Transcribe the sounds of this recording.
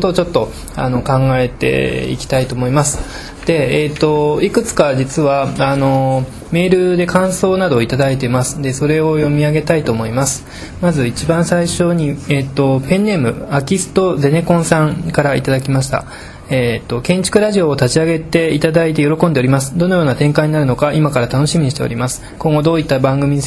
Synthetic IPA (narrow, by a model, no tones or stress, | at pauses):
t̪ot͡ɕo̞t̪ːo̞ | a̰nokãŋɡae̞t̪e̞̰ḭkʲi̥t̪ait̪o̞ːmo̞imasɨ̥ | d̪̥e̞ːt̪o̞ikɯ̟t͡sɨ̥kad͡ʑit͡sɨβaano̞ | me̞ːɾɯ̟d̪e̞kãɰ̃so̞ːnad̪o̞it̪ad̪ait̪̬e̞masɨ̥d̪e̞so̞ɾe̞o̞jo̞mʲiaɡe̞t̪ait̪o̞ːmo̞imasɨ̥ | mazɨit͡ɕibãɰ̃saiɕo̞ɲ̟iet̪ːo̞pẽ̞nːe̞mɯ̟akʲisɨ̥t̪o̞ze̞ne̞kõ̞ɰ̃sãŋkaɾaḭt̪ad̪ak̬ʲimaɕi̥t̪a̰ | eːt̪ːo̞kẽ̞ɲ̟t͡ɕi̥kɯ̟ɾaʑio̞ːt̪at͡ɕiaɡe̞t̪e̞it̪ad̪ait̪e̞jo̞ɾo̞kõ̞nd̪e̞o̞ɾʲimasɨ̥d̪o̞no̞jo̞ːnat̪ẽ̞ŋkaiɲ̟inaɾɯ̟no̞kaʔimakaɾat̪ano̞ɕimʲiɲ̟iɕit̪e̞o̰ɾʲimasɨ̥kõ̞ŋɡo̞d̪o̞ːit̪ːabãŋɡɯ̟mʲii